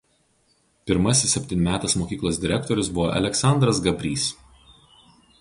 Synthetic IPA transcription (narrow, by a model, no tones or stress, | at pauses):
pʲɪɾmɐsʲɪsːʲɛpʲt̪ʲɪnʲmʲæːt̪ɐsmoːkʲiːklˠoːsd̪ʲɪɾʲɛkt̪ɔɾʲʊsbʊʋoːʔɐ̰lʲɛksɑˑnd̪ɾɐsɡɐbʲɾʲiːs